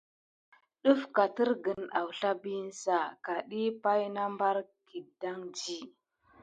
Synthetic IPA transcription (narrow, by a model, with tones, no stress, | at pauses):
ɗu˦fka˨ti˦ɾɡə˨na˨wɬa˦bi˦n˦sa˨ka˨ɗi˦pa˦jna˦mba˦ɾki˨da˦ŋd͡ʒi˦